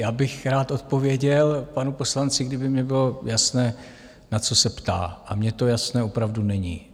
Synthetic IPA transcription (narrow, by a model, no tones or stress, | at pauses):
jaːbɪxɾaːt̪ʔo̞t̪̚po̞vɪjɛɟɛlpanupo̞slant͡sɪɡdɪbɪmɲɛbɪlo̞jasnɛː | nat͡so̞sɛpt̪a̰ːʔamɲɛt̪o̞jasnɛːopɾavdunɛɲḭː